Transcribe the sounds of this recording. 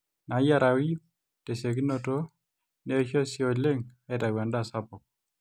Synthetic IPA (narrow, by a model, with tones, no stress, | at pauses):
na˨˦ja˦ɾa˨wi˦ | te˨se˨k̬i˦no˦to˦ | ne˦ʃjɔ˦sjo˨le˦ŋa˦ɛ˨ta˨wa˨nda˦˨sa˦pɔ˨k̚